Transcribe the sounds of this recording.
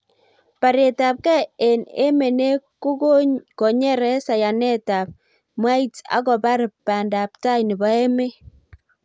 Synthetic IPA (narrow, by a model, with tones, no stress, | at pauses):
pa˨ɾe˨ta˨p̚kɛ˦e˨nḛ˦me˨ne˦ko˦ɡo˦kɔ˨ɲɛ˦ɾɛ˦sa˨ja˨nɛ˦ta˨p̚ | mwa˦i˦ta̰˦kɔ˨ba˦ɾpːa˨nda˨p̚ta˦jnɪ˨ba˦ɛ˦me˦